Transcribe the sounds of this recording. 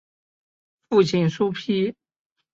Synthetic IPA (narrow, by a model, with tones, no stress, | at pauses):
fu˥˩t͡ɕi˨˩ŋʂu˥pʰi˥